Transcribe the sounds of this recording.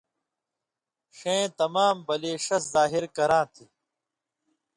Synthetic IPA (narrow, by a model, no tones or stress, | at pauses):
ʂẽːt̪ɐmaːmbɐleːɕɐszaːɦiɾkɐɾãːt̪ʰi